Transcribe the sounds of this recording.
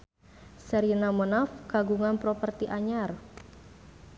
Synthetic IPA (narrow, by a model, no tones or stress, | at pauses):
səɾinamɔnafkaɡuŋanpɾɔpərt̪iʔaɲar